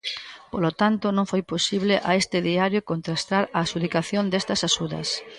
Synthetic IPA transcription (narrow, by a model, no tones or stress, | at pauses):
polot̪ant̪ʊnõŋfojposiβlɪʔaest̪ɪðiaɾjokont̪ɾast̪aɾaːsuðikaθjond̪est̪ɐsaʃuðɐ̰s